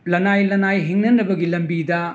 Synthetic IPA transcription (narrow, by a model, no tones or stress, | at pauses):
lɐnajlɐnajɦiŋnɐnɐbɐɡilɐmbidɐ